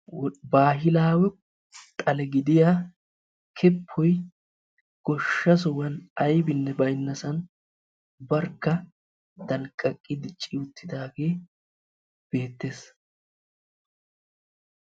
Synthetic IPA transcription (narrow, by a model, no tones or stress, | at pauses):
baːɦɪlaːwɛ | t̪ʼɐlɛɡɪd̪ɪjaː | kʰɛpʰːɔj | ɡ̥ɔʃːɐsɔwɐnɐjbɪnːɛbɐjnːɐsɐn | bɐɾkːɐ | t̪ɐlkʼːɐkʼːɪd̪ɪt͡ʃʼɪjʊt̪ʰːɪd̪aːɡe̞ː | b̥e̞ːt̪ːe̞ːs